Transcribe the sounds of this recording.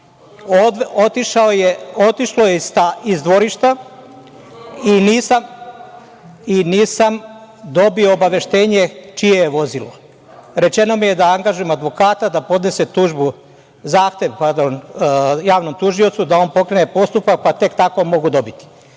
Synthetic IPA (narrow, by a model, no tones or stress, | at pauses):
oot̪iʃaojeo̞t̪iʃlojeist̪aizd̪ʋo̞ɾiʃt̪a | iniːsam | iniːsam | d̪o̞bio̞ːbaʋe̞ʃt̪e̞ːɲe̞t͡ʃije̞jeʋo̞zilo̞ | ɾe̞t͡ʃe̞no̞mije̞d̪aaŋɡaʒuje̞mad̪ʋo̞kaːt̪ad̪apo̞d̪ne̞se̞t̪uːʒbu | zaːxt̪e̞ʋpaɾd̪onjaːʋno̞mt̪uʒio̞t̪sud̪ao̞npo̞kɾene̞po̞st̪upak̚pat̪e̞kt̪ako̞mo̞ɡud̪o̞bit̪i̥